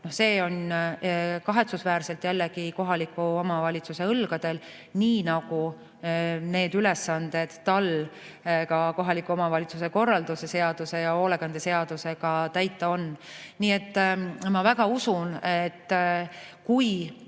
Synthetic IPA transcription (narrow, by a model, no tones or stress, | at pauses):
no̞hse̞ːo̞n | kɑɦe̞t̪susvæːɾse̞lt̪jælːeɡiko̞ɦɑlikːˑuomɑvɑlʲit̪suse̞ɤlɡ̥ɑd̪̥e̞l | niːnɑɡ̥u | ne̞ːd̪̥yle̞sːɑnd̪̥e̞d̪̥ːɑl | kɑko̞ɦɑlikːˑuo̞mɑvɑlʲit̪suse̞ko̞rːɑld̪̥use̞se̞ɑd̪̥use̞jɑo̞ːleɡ̥ɑnd̪ese̞ɑd̪̥use̞ɡ̥ɑt̪æjt̪ːˑɑo̞nniːe̞t̪ːmɑvæɡɑusunet̪ː | kuj